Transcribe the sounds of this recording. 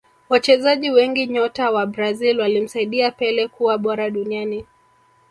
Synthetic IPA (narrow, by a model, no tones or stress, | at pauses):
wat͡ʃɛzaʄiwɛŋɡiɲɔtawaɓɾazilwalim̩saiɗiapɛlɛkuwaɓɔɾaɗuniani